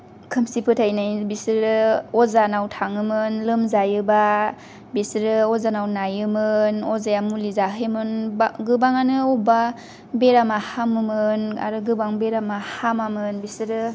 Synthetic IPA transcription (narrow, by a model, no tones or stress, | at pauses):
kʰɯmsipʰɯtʰajnajbisɾɾɯɔzanawtʰaŋɯmɯnlɯmzajɯba | bisɾɯɔzanawnajɯmɯnɔzajamulizaɦɯjmɯnbaɡɯbaŋanɯɔba | beɾamahamɯmɯna̰ɾɯɡɯbaŋbeɾamahamamɯnbisɾɯ